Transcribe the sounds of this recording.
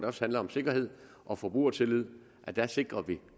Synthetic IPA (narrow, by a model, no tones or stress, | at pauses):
d̥æɒ̽shænlɐɒ̽mse̝ɡ̥ɐɦe̝ð̰ˠ | ʔɒ̽fɒb̥ʁṵːɐt͡sʰe̝lið̰ˠ | ʔæd̥æse̝ɡ̥ʁɐʋi